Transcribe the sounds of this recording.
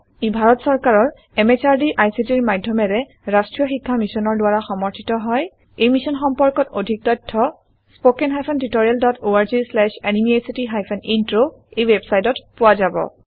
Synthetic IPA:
ibʱaɹɔtsɔɹkaɹɔɹ | ɛmet͡ʃaɹdiʔajsitiɹmadʱjɔmɛɹɛ | ɹastɹijɔxikʰːamisɔnɔɹdwaɹaxɔmɔɹtʰitɔɦɔj | ejmisɔnxɔmpɔɹkɔtodʱik̚tɔjtʰːɔ | spokɛnɦajpʰɔntitoɹialdɔtoaɹzislɛʃenimiajsitiɦajpʰɛnintɹo | ejwɛbsajtɔtpʊwazabɔ̰

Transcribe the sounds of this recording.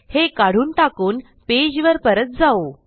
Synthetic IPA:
hekaɽ̤uːnʈakuːn | ped͡ʑʋəɾpəɾət̪̚d͡zao

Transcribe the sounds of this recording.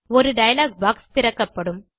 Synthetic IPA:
ɔɾɯɖɐjɐlaːɡ̚baːkst̪ɪɾɐkːɐpːɐɽɯm

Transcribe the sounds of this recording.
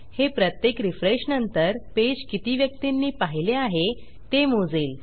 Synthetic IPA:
hepɾət̪jekɾifɾeɕnənt̪əɾped͡ʑkit̪iːʋjək̚t̪inːiːpaɦileaɦe | t̪emod͡zeːl

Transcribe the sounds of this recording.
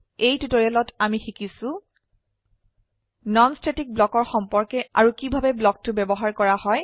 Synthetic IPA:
ejtutoɹialɔtamixikisʊ̃ | nɔnstetik̚blɔkɔɹxɔmpɔɹkɛaɹukibʱabɛblɔk̚tʊbɛbɔɦaɹkɔɹahɔj

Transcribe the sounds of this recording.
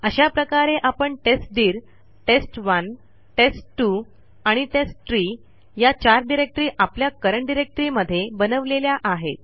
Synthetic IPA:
əɕapɾəkaɾeʔapəɳʈesʈ̚d̪iːɾ | ʈesʈʋən | ʈesʈʈːu | aɽ̃iʈesʈt̪ɾiː | jat͡ɕaɾɖiɾek̚ʈɾiːʔapljakəɾəɳɖiɾek̚ʈɾiməd̪ʱːjebənəʋleljaʔaɦḛt̪̚

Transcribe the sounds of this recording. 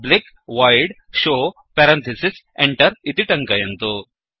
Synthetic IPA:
blik | ʋajɖɕo | pɛɾɐ̃nt̪ʰisis | eɳʈəɾit̪iʈɐŋkɐjɐnt̪o

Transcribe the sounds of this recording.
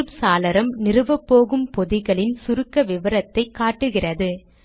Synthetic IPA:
ɯpsaːlɐɾɐmnɪrɯʋɐpːoːɣɯmpɔðɪɣɐɭɪnsʊɾɯkːɐʋɪʋɐɾɐt̪ːɐɪkːaːʈːɯɣɪrɐðɯ

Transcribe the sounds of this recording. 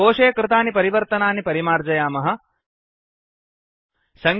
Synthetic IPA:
oːʂeːkɾɪt̪aːnipɐɾiʋɐɾt̪ɐnaːnipɐɾimaːɾd͡ʒɐjaːmɐɦɐ̆ | sɐŋ

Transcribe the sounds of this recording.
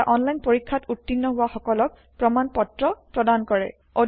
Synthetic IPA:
aʔɔnlajnpoɹikʰːatutːinːɔɦʊwaxɔkɔlɔk̚ | pɹɔmanpɔtɹɔpɹɔdankɔɹɛ̰ | o

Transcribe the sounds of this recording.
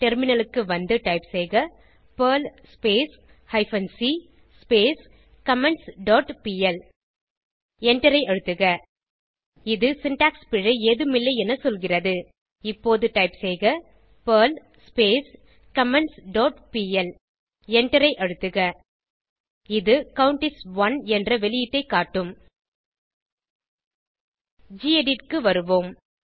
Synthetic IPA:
ʈɛɾmɪnɐlɯkːɯʋɐnd̪ɯʈɐɪpsɛjɣɐ | pɐlspeːs | hɐɪfɐnsi | speːs | kɐmɛɳsɖoːʈpiːɛl | ɛɳʈɐɾɐɪʔɻɯt̪ːɯɣɐ | ɪðɯsɪnʈaːkspɪɻɯeːðɯmɪlːɐɪɛnɐsɔlɣɪrɐðɯ | ɪpːoːðɯʈɐɪpsɛjɣɐ | pɐːl | speːs | kɐmɛnsɖoːʈpiːɛl | ɛɳʈɐɾɐɪʔɐɻɯt̪ːɯɣɐ | ɪðɯkɐwʊɳʈɪsʋɐnɛndrɐʋɛlɪjɪʈːɐɪkːaːʈːɯm | d͡ʒiːeɖɪʈkɯʋɐɾɯʋoːm

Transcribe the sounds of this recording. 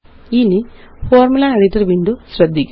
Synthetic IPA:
ini | foːrmulaɐɽitːɐrʋiːndusrɐd̪ʱːikʲːu

